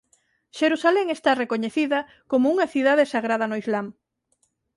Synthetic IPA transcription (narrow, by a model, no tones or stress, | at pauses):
ʃeɾusaleŋest̪arekoɲeθiðɐ | komʊuŋɐθiðaðesaɣɾað̞ɐnoizlam